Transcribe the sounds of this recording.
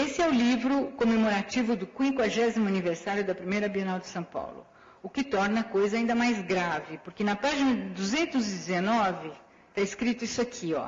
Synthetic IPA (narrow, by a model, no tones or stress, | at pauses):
esɪɛʊlivɾʊkomemoɾat͡ʃivʊd̪ʊkwĩkwaʒɛzimʊɐniveɾsaɾjʊd̪ɐpɾimejɾɐabionawd͡ʒɪsɐ̃w̃pa̰wlʊ̰ | ʊkɪt̪ɔɾnɐkojzɐaːĩnd̪ɐmajzɡɾavɪpʊɾkɪnɐpaʒinɐɪd̪uzẽnt̪ʊzɪd͡ʒ̪ɪzenɔvɪ | t̪aɪskɾit̪ʊisʊakʰiɔ̰